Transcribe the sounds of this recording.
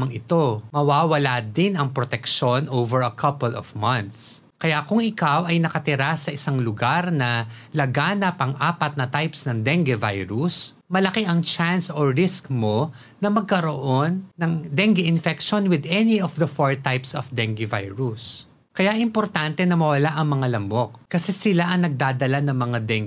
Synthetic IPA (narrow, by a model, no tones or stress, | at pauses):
mɐŋɪt̪o̞mɐwaːwɐlad̪ɪnɐŋpɾot̪ɛkʃo̞nʔowvɛɹɐkʰɐpɛlɔvmɐnt̪s | kɐjakʊŋɪkawɐjnɐkɐt̪ɪɾasɐʔɪsaŋlʊɡaɾnɐlɐɡaːnɐpɐŋʔaːpɐt̪̚nɐt̪ajpsnɐŋd̪ɛŋɡɛvajɾusmɐlɐkeʔɐŋt͡ʃansoɹɪskmo̞ː | ɐmɐɡ̚kɐɾoʔonːɐŋd̪ɛŋɡɪʔɪnfɛkʃonwɪd̪ɛniɔfd̪ɐfoɹt̪ajpsɔfd̪ɛŋɡɪvajɹus | kɐjaʔɪmpoɾt̪ant̪ɛnɐmɐwɐlaʔɐŋmɐŋalɐmbo̞k̚kɐsɛsɪlaʔɐŋnɐɡ̚d̪aːd̪ɐlanɐŋmɐŋad̪ɛŋ